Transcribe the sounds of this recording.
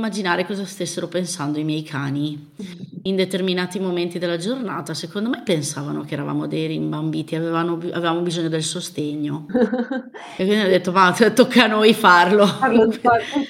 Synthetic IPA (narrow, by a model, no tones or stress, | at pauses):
mːad͡ʒinaːɾekɔːzast̪esːeɾopensand̪oimjɛjkʰaːni | ind̪et̪erminaːt̪imoment̪id̪elːad͡ʒornaːt̪asekond̪omejpensaːvanokeːɾava̰mod̪eɾimbambiːt̪iavevanoa̰vevamobizoɲːod̪elsost̪eɲːo | ekwind̪iad̪ːet̪ːovatt̪okːanojfarlo